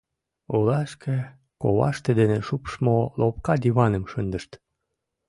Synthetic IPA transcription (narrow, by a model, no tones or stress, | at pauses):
olɑʃkʰe | ko̰βɑ̰ʃt̪ed̪eneʃupʃmolopkɑd̪ʲiβɑnəmʃənd̪əʃt̪